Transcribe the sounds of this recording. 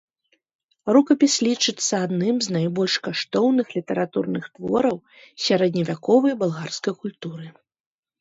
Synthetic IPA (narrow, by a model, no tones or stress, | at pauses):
rukɐpʲislʲit͡ʂɨt̪sːɐad̪nɨmznajbɔlʲʂkaʂt̪ɔwnɨxlʲit̪ɐɾat̪urnɨxt̪vɔ̰ɾɐw | sʲaɾɛd̪ʲnʲɐvʲakɔvɐjbalˠɣarskɐjkulʲt̪uɾɨ